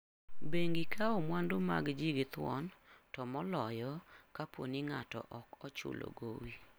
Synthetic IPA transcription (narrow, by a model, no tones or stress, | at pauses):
beŋɡɪkʰaɔmwandʊma̰ɡd͡ʒiɡɪt̪wɔntɔmɔlɔjɔkapwo̰niŋatɔ̰ʔɔkɔt͡ʃʊ̰lo̰ɡowi